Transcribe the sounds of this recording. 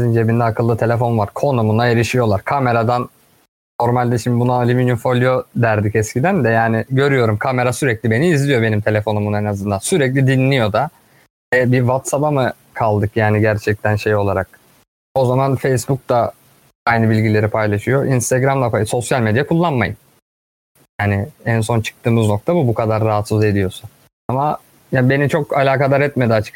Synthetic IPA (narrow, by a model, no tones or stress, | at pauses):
zind͡ʒebind̪ɛakʰɯlˠːɯt̪ʰe̞lʲefo̞nvaɾkʰo̞numunaeɾiʃijo̞lˠaɾkʰame̞ɾad̪anː | o̞ɾmalʲd̪iʃimibunaalʲiminifo̞lʲijod̪æɾd̪icɛscʰid̪ænd̪ɛjaːnɪɟø̞ɾyjo̞ɾumkʰame̞ɾasyɾɛclʲibe̞niːzlʲijo̞benimt̪ʰe̞lʲe̞fo̞numunɛnazɯnd̪ansyɾɛclʲid̪inlʲijo̞d̪a | ɛbivat̪sapamɯ | kʰalˠd̪ɯkjaːniɟæɾt͡ʃʰɛc̚t̪ʰænʃe̞jo̞lˠaɾak̚ | o̞zamanfejsbuk̚t̪a | ajnɯbilʲɟilʲe̞ɾipʰajlˠaʃɯjo̞ʔinst̪aɡɾamlˠaaso̞sjalʲmed̪jakʰulˠːanmajɯn | jaːnɪænso̞nt͡ʃʰɯ̥k̚t̪ʰɯːmɯzno̞k̚t̪ʰabubukʰad̪aɾːaɦat̪suze̞d̪ijo̞sun | ama | jabe̞nit͡ʃʰo̞kalʲaːkad̪ˠaɾɛt̪med̪iat͡ʃʰɯ̥k